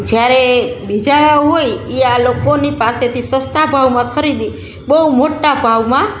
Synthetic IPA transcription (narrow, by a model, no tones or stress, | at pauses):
d͡ʒjaɾebid͡ʒaɭaɦojealokonipaset̪ʰisə̃st̪ʰabʱaʋmãkʰəɾid̪i | bəɦumoʈabʱaʋmã